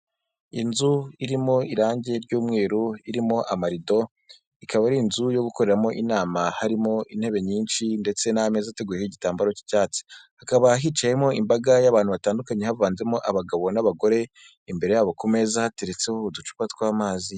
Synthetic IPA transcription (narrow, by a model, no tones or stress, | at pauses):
inzuiɾimo̞iɾaːɲɟe̞ɾɟuːmŋe̞ːɾuiɾimo̞ʔamaɾido̞ | ikaβaɾinzujo̞ɡuko̞ɾe̞ɾamo̞ʔinaːmahaɾimo̞in̥he̞βe̞ɲiːnʃinde̞t͡se̞nahame̞zaate̞ɡuːjehiɟitaːmbaɾo̞ci̥caːt͡si̥hakaβaɦiːt͡ʃaje̞mo̞imbaɡajaβaːnhuβataːndukaɲe̞havaːnze̞mo̞ʔaβaɡaβo̞naβaɡo̞ɾe̞ | imbe̞ɾe̞jaːβo̞kume̞zahate̞ɾe̞t͡se̞houdut͡ʃu̥katwaːmaːzi